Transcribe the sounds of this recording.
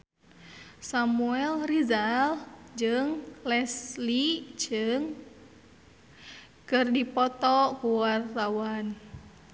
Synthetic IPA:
samuɛlrizald͡ʒɨŋlɛslid͡ʒɨŋ | kɨrdipɔt̪ɔkuwart̪awan

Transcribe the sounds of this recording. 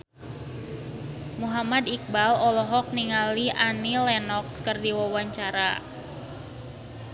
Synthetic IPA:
muɦamadik̚balɔlɔɦɔk̚niŋaliʔanilɛnɔkskərdiwawaɲt͡ʃaɾa

